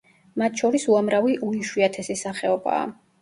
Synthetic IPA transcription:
mat̪ʰʃɔɾisuamɾaviʔuiʃwiat̪ʰɛsisaχɛɔba̰ː

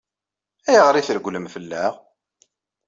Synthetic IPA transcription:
æjəʁɾiθəɾɡʷləmfəlːæʁ

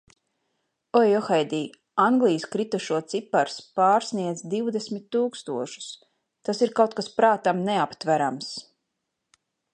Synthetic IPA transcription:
ɔjɔxɛjd̪iː | aŋɡlˠijskɾit̪uʃuɔt̪sipaɾspaːɾsniɛd̪zd̪iwd̪esmit̪ːuːkst̪uɔʃu̥s | t̪asiɾkawt̪̚kaspɾaːt̪amneapt̪væɾams

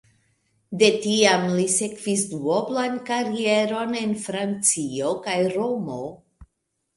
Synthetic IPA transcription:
de̞tiamlise̞kv̥isduoblankaɾie̞ɾo̞ne̞nfɾant͡sio̞kajɾo̞mo̞

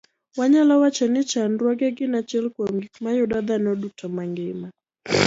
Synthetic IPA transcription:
waɲalawat͡ʃɛnit͡ʃanduaɡɛɡinat͡ʃɛlkwamɡikmajɔɗaðanɔɗɔk̚tamaŋɡɛma

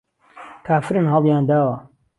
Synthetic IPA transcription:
kʰaːfɨɾɨnɦɑlˠjaːnd̪aːwɐ

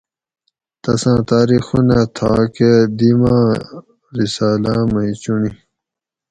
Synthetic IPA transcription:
t̪ɐsãːt̪aːɾixunat̪ʰaːked̪imãː | ɾisaːlaːmʌĩt͡ɕuni

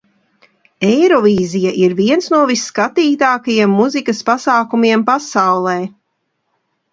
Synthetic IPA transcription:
ɛjɾɔviːzijaʔiɾviɛnsnuɔvisːkat̪iːt̪aːkajiɛmːuzikɐspasaːkumiɛmpasawlˠɛː

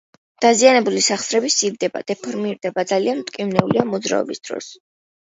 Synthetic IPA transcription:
d̪̥azianɛbulisaχsɾɛbisivd̪ɛba̰d̪̥ɛpʰɔɾmiɾd̪ɛbad̪zaliant̪ʼkʼimnɛuliamɔd̪zɾa̰ɔ̰bisd̪̥ɾɔ̰s

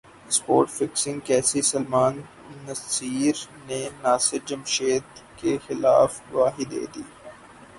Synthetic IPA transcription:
spo̰ːɾʈfɪksɪ̃ŋɡkɛːsisɐlmaːnː | ɐsiːɾ | nenaːsɪɾd͡ʒɐmʃeːd̪kexɪla̰ːfʋaːɦid̪ḛːd̪iː

